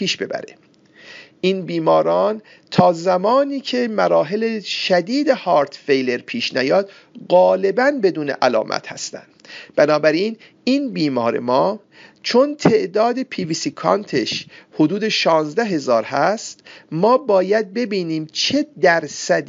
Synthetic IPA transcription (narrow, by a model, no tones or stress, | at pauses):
piːʃbe̞̰bæ̰ɾḛ | ʔiːnbiːmɒːɾɒːn | t̪ʰɒːzæmɒːniːcʰe̞mæɾɒːɦe̞leʃæd̪iːd̪ehɒːɾt̪ʰfejle̞ɾpʰiːʃnæjɒːd̪ | ɣɒːle̞bænbe̞d̪uːnḛʔælɒ̰ːmʔæ̰t̪hæ̰st̪æ̰nd̪̥b̥ænɒːbæɾiːn | iːnbiːmɒːɾe̞̰mɒː | t͡ʃʰo̞nt̪ʰe̞ʔd̪ɒːd̪e̞pʰiːviːsiːkʰɑ̰nt̪ʰeʃhod̪uːd̪e̞ʃɒːnzd̪æɦe̞zɒːɾɦæst̪mɒːbɒːjæd̪̚be̞biːniːmt͡ʃʰe̞d̪æɾsæd̪